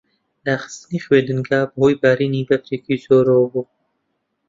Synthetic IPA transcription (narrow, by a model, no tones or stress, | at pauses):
d̪aːxɨ̥st̪ɨniːxweːd̪ɨŋɡaːbhoːjbaːɾiːniːbaft͡ʃeːkiːzoːɾoːbu